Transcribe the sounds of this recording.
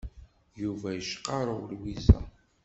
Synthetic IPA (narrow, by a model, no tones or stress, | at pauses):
juvæjəʃqɑɾˤəwlwizæ̰